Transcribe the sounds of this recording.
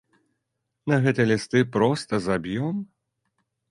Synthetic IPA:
nɐɣɛt̪ɨjɐlʲist̪ɨpɾɔst̪ɐzabʲjɔm

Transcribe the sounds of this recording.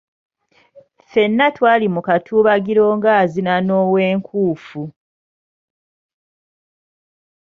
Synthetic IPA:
fe̞nːatwaːlimukatʰuːβaɡiɾo̞ːŋɡaːzinano̞ːwe̞ːŋkʰuːfu

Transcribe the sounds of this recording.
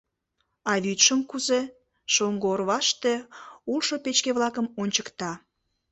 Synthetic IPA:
ɑβyt̪ʃəmkuze | ʃoŋɡoorβɑʃt̪eulʃopet͡ɕkeβlɑkəmonʲt͡ɕəkt̪ɑ

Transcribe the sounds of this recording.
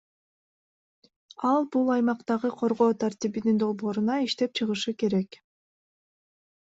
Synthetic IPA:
ɑlˠbulˠɑjmɑqt̪ɑʁɯqʰo̞ɾʁo̞ːt̪ʰaɾt̪ibinind̪o̞lˠbo̞ːɾunɑiʃt̪e̞p̚t͡ʃʰɯʁɯʃɯke̞ɾek

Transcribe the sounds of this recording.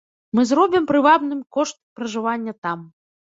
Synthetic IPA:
mɨzɾɔbʲimpɾɨvabnɨmkɔʂt̪̚pɾɐʐɨvanʲːɐt̪am

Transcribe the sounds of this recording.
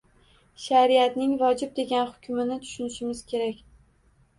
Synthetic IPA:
ʃaɾiat̪nɪŋvɒd͡ʒɪb̚d̪e̞ɡʲanhʊ̥kʲʰʊmɪnɪt̪ʰʊ̥ʃʊnɪʃɪmɪz̥kʲʰe̞ɾakʲ

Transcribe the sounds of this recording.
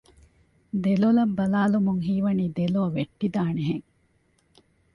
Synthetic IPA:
d̪elolɐbːɐlaːlumuŋɦiːʋɐniːd̪eloːʋeʈːid̪aːneɦeŋ

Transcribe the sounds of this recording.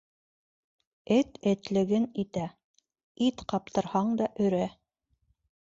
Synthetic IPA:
ɘt̪ɘ̆t̪lɘ̆ɡɘnit̪æ | it̪qɑp̚t̪ɤ̆ɾhɑɴd̪ɑʔɵ̆ɾæ

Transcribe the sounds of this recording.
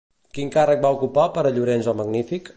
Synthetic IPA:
kiŋkarək̚baukupapəɾəʎuɾenzɔməɡnifik

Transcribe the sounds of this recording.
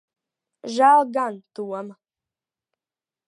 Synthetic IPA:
ʒaːlˠɡant̪uɔm

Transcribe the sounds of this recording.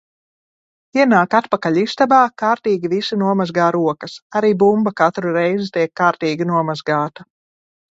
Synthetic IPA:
iɛnaːkat̪pakaʎʲist̪abaːkaːɾt̪iːɡivisunuɔmazɡaːɾuɔkɐsaɾiːbumbakat̪ɾuɾɛjzit̪ʲiɛkːaːɾt̪iːɡinuɔmazɡaːt̪a

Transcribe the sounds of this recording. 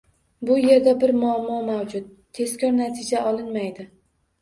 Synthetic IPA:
bʊje̞ɾd̪abɪɾmʊamːɒmawd͡ʒʊt̪̚ːʰe̞skʲʰɒɾnat̪ʰɪd͡ʒaʔɒlˠɪnmajd̪ɪ

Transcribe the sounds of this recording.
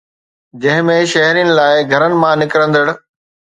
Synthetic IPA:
d͡ʑɐ̃ɦɪ̃mẽʃɐɦɾijənɪ̆laːɪɡʱɐɾənɪ̆mãnɪkɾə̃nd̪əɽ̆

